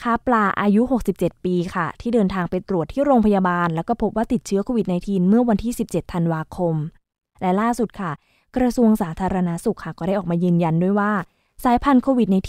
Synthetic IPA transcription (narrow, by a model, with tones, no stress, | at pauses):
kʰa˦˥˩plaː˧˩ʔaː˧ju˦˥ɦo˨˩k̚si˨˩p̚t͡ɕe˨˩t̪̚piː˧kʰa˥˩t̪ʰiː˥˩dɤː˧nt̪ʰaː˧ŋpa˧jt̪ɾu˨˩ət̪ʰːiː˥˩ɾoː˧ŋpʰa˧jaː˧baː˧nlɛ˦˥wkɔː˥˩pʰo˦˥p̚waː˥˩t̪i˨˩t̪̚t͡ɕʰɯ˦˥kʰoː˧wi˨˩t̪̚na˧jt̪ʰiː˧nmɯ˥˩ɐwa˧nt̪ʰiː˥˩si˨˩p̚t͡ɕe˨˩t̪ʰːa˧nwaː˧kʰo˧m | lɛ˦˥laː˥˩su˨˩t̪̚kʰa˥˩ | kɾa˧su˧əŋsaː˩˦t̪ʰaː˧ɾa˧na˦˥su˨˩k̚ʰːa˥˩kɔː˥˩a˥˩ʔɔː˨˩k̚maː˧jɯː˧nja˧ndu˥˩əjwaː˥˩ | saː˨˩˦jpʰa˧nkʰoː˧wi˨˩na˧jt̪ʰ